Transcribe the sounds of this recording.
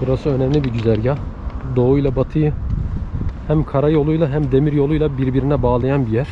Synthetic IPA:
b̥uɾasɯø̞nɛmlʲibiɟyzæɾɟad̪o̞ujlˠabat̪ʰɯjɯ | hæmkʰaɾajo̞lˠujlˠaɦæmd̪e̞miɾjo̞lˠujlˠabiɾbiɾinɛbaːlˠajanbijæɾ̥

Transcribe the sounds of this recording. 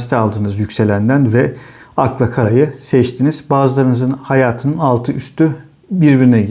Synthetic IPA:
si̥t̪ʰalˠd̪ɯːnɯzjycse̞lʲænd̪ænvɛaklˠakʰaɾajɯsɛt͡ʃt̪ʰinizbaːzɯlˠaɾɯnɯzɯnhajaːt̪ʰɯnɯnalˠt̪ʰɯyst̪y | biɾbiɾinɛɟi

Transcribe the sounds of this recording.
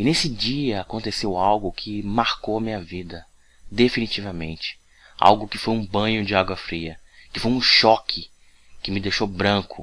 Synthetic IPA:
ɪnesɪd͡ʒiɐakõnt̪esewawɡʊkʰɪmaɾkowɐmĩɲɐvid̪ɐ | d̪efinit͡ʃivɐmḛ̃nt͡ʃɪ̥ | a̰wɡʊkɪfojũbɐ̃ɲʊd͡ʒɪaɡwɐfɾiɐ | kɪfojũʃɔkʰɪ | kɪmɪd̪ejʃowbɾɐ̃kʰʊ

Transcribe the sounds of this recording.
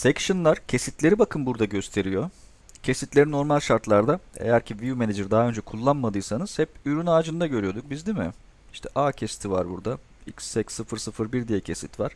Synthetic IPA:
sɛcʃɯnlˠaɾ̥cʰe̞sit̪lʲe̞ɾibakʰɯnbuɾd̪aɟøst̪ʰe̞ɾijo̞ | cʰe̞sit̪lʲe̞ɾino̞ɾmalʲʃaɾt̪lˠaɾd̪aḛjæɾcʰivijumened͡ʒɯɾd̪aɦaø̞nd͡ʒɛkʰulˠːanmad̪ɯjsanɯz̥hɛpyɾynaːd͡ʒɯnd̪aɟøɾyjo̞d̪uk̚bizd̪imɪ | iʃt̪ʰɛʔaːcʰesi̥t̪ʰivaɾbuɾd̪a | icsːɛcsɯfɯɾsɯfɯɾbiɾd̪ijɛcʰe̞sit̪vaɾ̥

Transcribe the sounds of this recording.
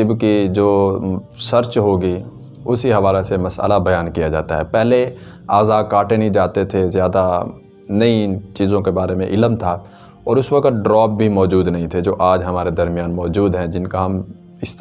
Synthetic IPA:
ɪbkid͡ʒoːsɐɾt͡ʃɦoːɡi | ʊsiɦɐʋaːlesemɐsə̰labɐjaːnkijad͡ʒa̰ːt̪a̰ɦɛːpɛɦle | aːzaːkaːʈenɦĩd͡ʒaːt̪et̪ʰezjaːd̪a | nɐĩt͡ʃiːzõkebaːɾemẽʔɪləmt̪ʰa | ɔːɾʊsʋɐkt̪̚ɖɾɔːb̚ːʱimɔːd͡ʒuːd̪nɐɦĩt̪ʰed͡ʒoːʔaːd͡ʒɦɐmaːɾed̪ɐɾmjaːnmɔːd͡ʒuːd̪ɦɛ̃d͡ʒɪnkaɦɐm | ɪst̪

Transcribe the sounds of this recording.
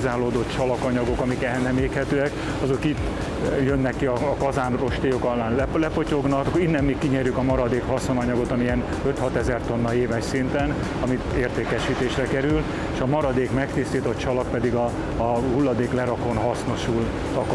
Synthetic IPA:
zaːloːd̪ot̪t͡ʃɒlɒkɒɲɒɡo̞kɒmikɛlnɛmeːkhɛt̪øːɛk | ɒzo̞kiːt̪ː | jønːɛkːiɒːkɒzaːnro̞ʃt̪ejokɒlːaːnlɛlɛpocoɡnɒkinːɛmːikːiɲɛrjykɒmɒɾɒd̪eːkhɒsonɒɲɒɡo̞t̪ɒmiɛn | ø̞t̪hɒt̪ɛzɛrt̪o̞nːɒeːvɛʃsint̪ɛn | ɒmieːrt̪eːkɛʃiːt̪eːʃrɛkɛɾyl | eʃɒmɒɾɒd̪eːkmɛkt̪ist̪iːt̪ot̪t͡ʃɒlɒk̚pɛd̪iɡɒ | hulːɒd̪eːklɛɾɒko̞nɦɒsno̞ʃul | t̪ɒk

